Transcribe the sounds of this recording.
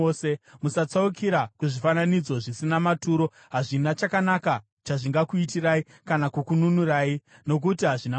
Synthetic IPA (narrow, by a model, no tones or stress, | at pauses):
semusat͡saukʰiɾakuʐifananid͡zo̞ʐisinamatuːɾo̞ | ɦaʐinat͡ʃakanaka | t͡ʃaʐiŋɡakuitirai | kanakukununuraːino̞k̬utiɦaʐina